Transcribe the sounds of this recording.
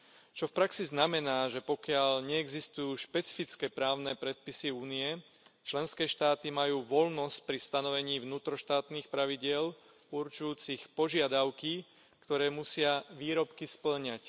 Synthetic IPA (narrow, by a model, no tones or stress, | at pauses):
t͡ʃɔfpɾaksiznamɛnaːʒɛpɔkɪaʎɲɛɛɡzist̪ujuːʃpɛt͡si̥fit͡skɛpɾaːʊnɛpɾɛt̪̚pisiuːniɛ | t͡ʃlɛnskɛːʃt̪aːt̪imajuːʋɔlnɔsc̚pɾist̪anɔʋɛɲiːʋnuːt̪ɾɔʃt̪aːt̪niːxpɾaʋiɟɪɛl | uɾt͡ʃujuːt͡sixpɔʒɪad̪aʊki | kt̪ɔɾɛːmusɪaʋiːɾɔpkispl̩ɲac